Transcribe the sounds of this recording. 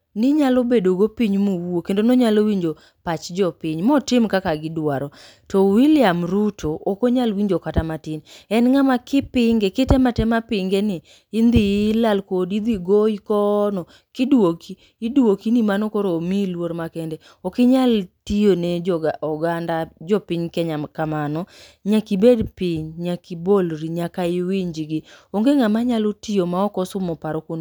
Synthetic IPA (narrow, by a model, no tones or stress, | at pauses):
nɪɲalobedoɡopiɲmowokendonoɲalowiɲd͡ʒo | pat͡ʃd͡ʒɔpɪɲmɔtɪmkakaɡɪdwaɾɔ | tɔwilɪjamɾutʰoʔːkoɲalwiɲd͡ʒokatamatɪnɛnŋamakɪpɪŋɡekɪtɛmatɛmapɪŋɡenɪː | nd̪ɪlalkodid̪iɡoikɔnɔ | kɪdwokiːdwokinimanɔkoɾoːmilwoɾmakɛndɛ | ɔkɪɲaltioned͡ʒɔɡaʔɔɡandad͡ʒɔpɪɲkɛɲakamanɔ | ɲakibedpɪɲɲakibolɾiɲakaɪwiɲd͡ʒɡɪoŋɡeŋamaɲalotijomaɔkɔsʊmɔpaɾɔkon